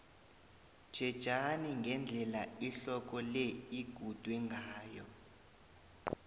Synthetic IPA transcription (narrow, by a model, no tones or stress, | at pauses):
d̥ʒ̥ʱɛd̥ʒ̥ʱaniŋɡʱɛnd͡ɮʱɛlaiɬɔk̬ɔlɛiɡ̥ʱud̥ʱwɛŋɡʱaːjɔ̰